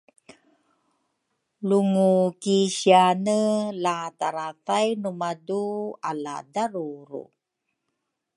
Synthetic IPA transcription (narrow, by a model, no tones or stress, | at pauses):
luŋukiɕianəlataɾatajnumaduala̰daɾuɾṵ